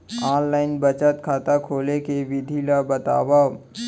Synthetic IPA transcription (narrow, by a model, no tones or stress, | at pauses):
aːnlaːɪnbət͡ʃət̪kʰaːt̪akʰoːlekeʋɪd̪ʱilabɐt̪a̰ːwa